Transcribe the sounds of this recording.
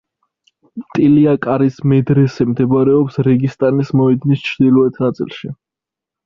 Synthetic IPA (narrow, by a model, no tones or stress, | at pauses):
mt̪ʼiliakʼaɾismɛd̪ɾɛsɛmd̪ɛbɾɛɔpsɾɛɡist̪ʼanismɔɛd̪nist͡ʃʰɾd̪ilˠɔɛt̪ʰnat̪sʼḭlˠʃi